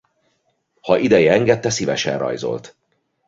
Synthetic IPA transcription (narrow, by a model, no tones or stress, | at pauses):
hɒʔid̪ɛjɛɛŋɡɛt̪ːɛsivɛʃɛ̰nrɒ̰jzo̞̰lt̪